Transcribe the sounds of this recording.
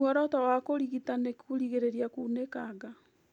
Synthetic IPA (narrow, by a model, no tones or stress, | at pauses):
ɔɾɔtɔwakoɾiɣitanekuɾiɣeɾeɾiakuːnekaɡa